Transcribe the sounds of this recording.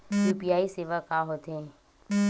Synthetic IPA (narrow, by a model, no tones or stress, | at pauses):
juːpijaːiseːʋakaɦoːt̪eɦɛ̃ː